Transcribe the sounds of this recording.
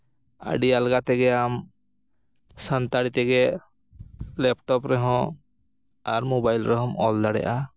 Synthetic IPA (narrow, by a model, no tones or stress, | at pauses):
a̰ɖialɡat̪ɛɡɛam | sant̪aɽit̪ɛɡɛ | lɛp̚ʈɔpɾɛɦɔ̃ | aɾmobajlɾɛɦɔ̃mɔld̪aɽɛ̰ʔa